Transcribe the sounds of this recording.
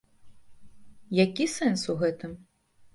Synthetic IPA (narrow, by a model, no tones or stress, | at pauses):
jakʲisɛnsuɣɛt̪ɨm